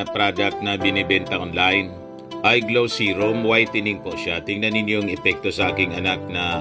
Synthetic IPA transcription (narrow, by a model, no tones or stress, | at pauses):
ɐpɾad̪ɐk̚t̪̚nɐbɪnɪbɛnt̪ɐʔonlajn | ʔɐjɡlowsiɾomwajt̪ɪnɪŋpoʔʃat̪ɪŋnɐnɪnjoŋɛpɛk̚t̪o̞sɐʔaːkɪŋɐnak̚nɐ